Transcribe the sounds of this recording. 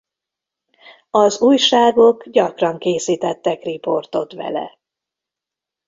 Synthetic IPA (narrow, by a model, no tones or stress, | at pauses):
ɒzuːjʃaːɡo̞ɡɟɒkrɒŋkeːsiːt̪ɛt̪ːɛkripo̞rt̪o̞t̪ʋɛ̰lɛ̰